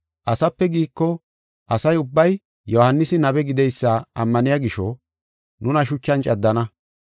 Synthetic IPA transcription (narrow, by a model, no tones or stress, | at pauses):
ʔɐsɐpːɛɡiːkːɔ | ʔɐsɐjʊbːɐj | jɔhɐnːɪsɪnɐbɛɡɪd̪ɛjsːaʔɐ̰mːɐnɪjaɡɪʃɔ | nʊnɐʃ̬ʊt͡ʃːɐnt͡ʃʼɐd̪ːɐnɐ